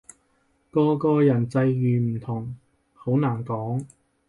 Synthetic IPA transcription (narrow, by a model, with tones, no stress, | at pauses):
kɔː˧kɔː˧jɐ˨˩nt͡sɐ˧jːyː˨m̩ː˨˩t̪ʰʊ˨˩ŋ | ho˨˥wnaː˨˩nkɔː˨˥ŋ